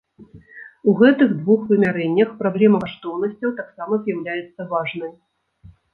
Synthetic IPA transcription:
uɣɛt̪ɨɣd̪vuxvɨmʲaɾɛnʲːɐxpɾablʲɛmɐkaʂt̪ɔwn̪ɐsʲt͡sʲɐwt̪aksamɐzʲjawlʲajɛt̪sːɐvaʐnɨj

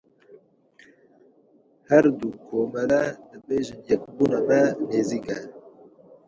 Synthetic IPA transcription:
hæɾd̪ukʰoːmɛlɛd̪ɨbeːʒɪnjɛkbuːnɑmɛneːzikɛ

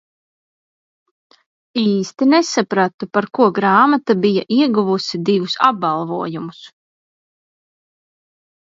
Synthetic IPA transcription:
iːst̪inesapɾat̪upaɾkuɔɡɾaːmat̪abijaʔiɛɡuvusid̪ivusab̚balˠvuɔjumus

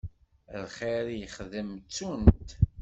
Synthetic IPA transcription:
lχeɾjəχðəmt͡sːunt̪

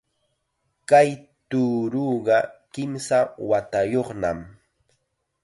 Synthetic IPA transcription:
kajt̪uːɾuːɢɑkɪmsawat̪ajoχna̰m

